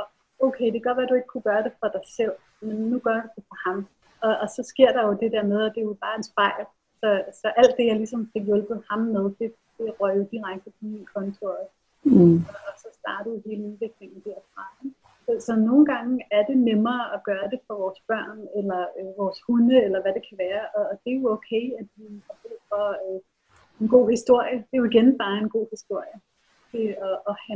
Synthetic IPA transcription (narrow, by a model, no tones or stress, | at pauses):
ɒ | oʊkʰeɪd̥e̝ɡ̥ɒʋæd̥ue̝ɡ̥ə̥kʰuɡ̥ɶːɐɾ̥e̝fɑd̥ɑ̈ɪsel̰ | menːuɡ̥ɶɐd̥ud̥efɒhɑ̈m | ɒ̽ːsɒ̽sɡ̥e̝ɐ̰ɾ̥ɑ̈jo̝d̥e̝d̥eɐ̰með̞ˠæd̥e̝jo̝b̥ɑ̈ːe̝nsb̥ɑ̈ɪ̰l | sɒ̽sɒ̽ʔæl̰d̥ːe̝jɑ̈ɪlisɒ̽mfe̝ɡ̥jolb̥ð̩ˠhɑ̈mːeð̞ˠd̥e̝ | d̥e̝ʁœjod̥iʁaɡ̥̚d̥i̥iinkʰɒ̽nt͡sʰo̝ | ɒsɒ̽sd̥ɑ̈ːdɐuhe̝ːləeðʋe̝ɡ̥le̝ŋn̩d̥æɐ̰fʁɑ̈eɡ | sɒsɒ̽no̝ːn̩ɡ̥ɑ̈ŋəæɐd̥e̝nemɐːʔɒɡ̥ɶːɐd̥e̝fɒʋɒːsb̥ɶɐ̰nelɐøʋɒːshunəelɐʋæd̥e̝kʰæʋæːɐʔɒd̥e̝joɔʊkʰeɪædiɒb̥eðˠfɒø | e̝nɡ̥o̝̰ːhisd̥o̝ɐ̰jəd̥e̝joiɡ̥enb̥ɑ̈ːe̝nɡ̥o̝̰ːhisd̥o̝ɐ̰jə | t͡sʰe̝ɒʔːhæ